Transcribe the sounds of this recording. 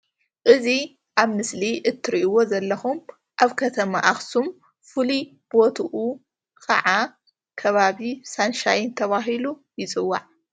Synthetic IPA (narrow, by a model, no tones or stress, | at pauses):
ʔɨzi | ʔaβmɨsliʔɨt̪ʰːɨɾiʔiwo̞zɐlːɐxum | ʔaβkʰɐt̪ʰɐmaʔaxsum | fɨli | bot̪ʰuʔu | kʰɐ̰ʕa | kʰɐβaβisanʃajɪnt̪ʰɐβaɦilu | jɪt͡sʼɨwːa̰ʕ